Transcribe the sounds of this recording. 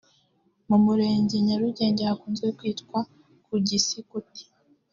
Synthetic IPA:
mumuɾe̞ːɲɟiɲaɾuɟeːɲɟehakuːnzeekwiːtkwa | kuɟisikuti̥

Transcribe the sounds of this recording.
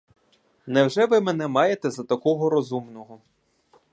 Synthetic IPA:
nɛwʒɛʋɪmɛnɛmɑjet̪ɛzɐt̪ɐkɔɦɔɾɔzumnɔɦɔ

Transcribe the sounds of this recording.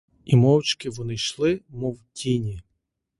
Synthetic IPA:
imɔwt͡ʃkɪʋɔnɪʃlˠɪmɔwtʲinʲi

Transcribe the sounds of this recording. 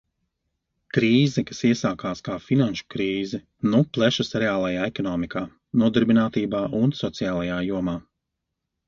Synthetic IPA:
kɾiːzɛkasiɛsaːkaːskaːfinanʃu̥kɾiːzɛ | nuplˠɛʃusɾɛaːlˠajaːɛkɔnɔːmikaː | nuɔd̪aɾbinaːt̪iːbaːʔunsɔt̪sijaːlˠajaːjuɔmaː

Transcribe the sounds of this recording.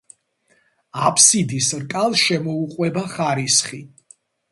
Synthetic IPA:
apʰsid̪isɾkʼalˠʃɛmɔuqʼwɛbaχaɾisχi

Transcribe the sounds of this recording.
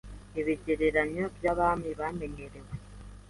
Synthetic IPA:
iβiɟeɾeɾaɲobjaβaːmiβameɲeɾewe

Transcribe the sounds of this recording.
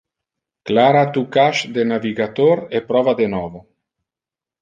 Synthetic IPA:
klaːɾat̪ukaʃd̪enaviɡat̪oɾepɾɔvad̪enɔːvo

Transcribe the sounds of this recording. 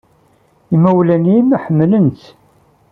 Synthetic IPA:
imæwlænimħəmːlənt̪

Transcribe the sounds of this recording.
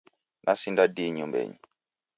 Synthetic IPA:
nʔasindadiɲumbɛ̰ɲi

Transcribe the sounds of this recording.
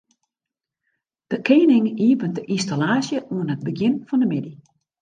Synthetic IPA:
d̥əkʰeːnɪŋiəpəntdəʔinstalaːsjəʔuənɦət̚bəɡjɪnfɔndəmɪdi

